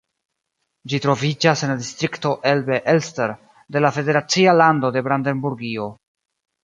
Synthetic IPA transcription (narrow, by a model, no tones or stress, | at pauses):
d͡ʒitɾo̞vid͡ʒase̞nladistɾikto̞ʔelbe̞ʔelsteɾ | de̞lafe̞de̞ɾat͡sialando̞de̞bɾande̞nbuɾɡio̞